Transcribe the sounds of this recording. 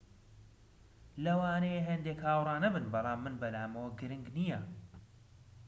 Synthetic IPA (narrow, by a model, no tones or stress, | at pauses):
lɐwaːnɐjeɦɐnd̪eːkhaːwrˤɑːnɐbɨnbɑlˠɑːmːɨnbɐlaːmɐwɐɡɨɾɨŋɡnijɐ